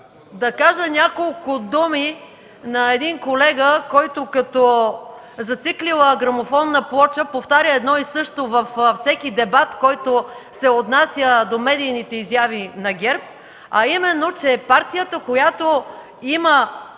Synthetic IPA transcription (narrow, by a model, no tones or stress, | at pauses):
d̪ɐkaʒənʲakolˠkʊd̪umi | nɐɛd̪inkolɛɡəkɔjt̪okɐt̪ɔ | zɐt̪siklilˠəɡɾɐmofɔnːəplˠɔt͡ʃəpoft̪aɾʲəɛd̪nɔisɤʃt̪ovɐffsɛkid̪ɛbat̪kɔjt̪osɛot̪nasʲjəd̪omɛd̪ijnit̪ɛizjavinɐɡʲɛɾp̚ | ɐimɛnːot͡ʃɛpaɾt̪ijət̪əkojat̪o | imə